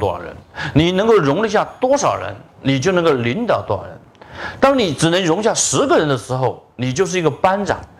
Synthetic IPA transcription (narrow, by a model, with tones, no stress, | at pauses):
t̪wɔ̰˥ɻə̰˧˥nni˨˩nə˧˥ŋko˥˩ʊɻʊ˧˥ŋlə˧i˧˥ɕja˥˩t̪wɔ˥ʂɑ˨˩ʊɻə̰˧˥n | ni˨˩t͡ɕjo˥˩ʊnə˧˥ŋko˥˩ʊli˧˥nt̪ɑ˨˩ʊt̪wa˥˩ɻə̰˧˥n | t̪ɑ˥ŋni˨˩ʈ͡ʂɻ̩˨˩nə˧˥ŋɻʊ˧˥ŋi˥ɕja˥˩ʂɻ̩˧˥ɡə˧˨ɻə˧˥nd̪ə˧ʂɻ̩˧˥xo˧ʊni˨˩t͡ɕjo˥˧ʊʂ̬̩˥˩i˧˥ɡə˧pa˥nʈ͡ʂɑ̰˨˩˦ŋ